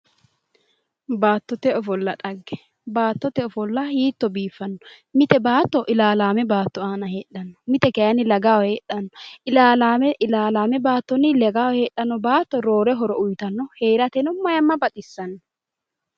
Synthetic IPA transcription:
baːt̪ːɔt̪ɛɔfɔlːɐᶑɐɡːɛ̥ | baːt̪ːɔt̪ɛɔfɔlːɐhiːt̪ːɔbiːfːɐnːɔ | mɪt̪ɛbaːt̪ːɔʔɪlaːlaːmɛbaːt̪ːɔaːnɐheːᶑɐnːɔ̥mɪt̪ɛkɐjɐnɪlɐɡaːwheːɗːɐnːɔʔɪlaːlaːmɪlaːlaːmɛbaːt̪ːɔnːɪlɛɡaːwheːɗːɐnːɔbaːt̪ːɔɾo̞ːɾɛɦɔɾɔʔʊjt̪ɐnːɔhe̞ːɾɐt̪ɛnʊmːɐjɐmːɐbɐt̪ʼɪsːɐnːɔ

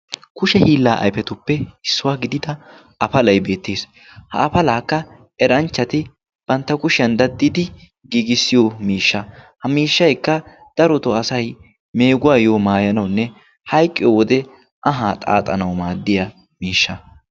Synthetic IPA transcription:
kʊʃɛhiːlːaːʔɐ̰jpɛt̪ʊpːɛɪsːʊwaːɡɪd̪ɪd̪ɐ | ʔɐfɐlɐjbe̞ːt̪ːeːs | hɐ̰ʔːfɐlaːkːɐ | ɛɾɐnt͡ʃːɐt̪ɪ | b̥ɐnt̪ːɐkʊʃɪɐnd̪ɐd̪ːɪd̪ɪ | ɡiːɡɪsːɪjomiːʃːɐhɐmiːʃːɐjkːɐ | d̪̥ɐɾɔt̪ɔɐsɐj | me̞ːɡʊwaːjoːmaːjɐnɐwnːɛ | hɐjkʼːɪjowɔd̪ɛ | ʔɐɦaːt̪ʼa̰ːt̪ʼɐnɐwmaːd̪ːɪjɐ | miːʃːɐ

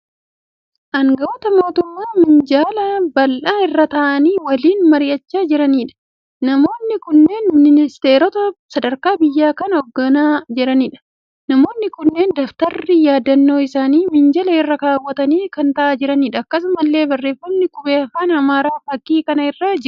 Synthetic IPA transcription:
ʔɐŋɡɐʔɔt̪ɐmo̞ːt̪ʊmːaːmɪnd͡ʒaːlɐbɐlʔaːɪrːɐt̪ɐʔɐniːwɐliːnmɐɾɪjɐt͡ʃːaːd͡ʒɪɾɐniːᶑɐ̥ | nɐmo̞ːnːɪkʊnːe̞ːnmɪnɪnɪst̪e̞ːɾɔt̪ɐsɐd̪ɐɾkaːbɪjːaːkɐnɐɔɡːɐnaːd͡ʒɛɾɐniːᶑɐ̥ | nɐmo̞ːnːɪkʊnːe̞ːnd̪ɐft̪ɐrːɪjaːd̪ɐnːo̞ːɪsaːniːmɪnd͡ʒɐlɐɪrːɐkaːwːɐt̪ɐniːkɐnt̪ɐʔaːd͡ʒɪɾɐniːᶑɐɐkːɐs̬ʊmɐlːe̞ːbɐrːeːfːɐnːɪkʊbeːɐfaːnɐmaːɾaːfɐkːiːkɐnɐɪrːaːd͡ʒɪɾʊ

